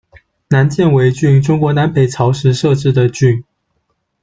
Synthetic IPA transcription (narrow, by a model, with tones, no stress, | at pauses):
na˧˥nt͡ɕjɛ˥˩nwe˧˥ɪt͡ɕy˥˩nʈ͡ʂʊ˥ŋkwɔ˧˥na˧˥npʰe˨˩ɪt͡sʰɑ˧˥ʊʂɻ̩˧˥ʂɤ˥˧ʈ͡ʂɻ̩˥˩d̪ə˩t͡ɕy˥˩n